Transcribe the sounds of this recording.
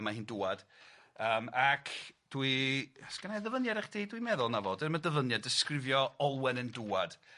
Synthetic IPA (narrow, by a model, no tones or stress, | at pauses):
mahiːnduad̥ | əːmakʰd̥wiasɡ̥ənaðəvənjaɾɛχd̥ejdwimɛðʊlˠnavɔdənmadəvənjadɪskrɪvjɔɔlˠwɛnənduːad̥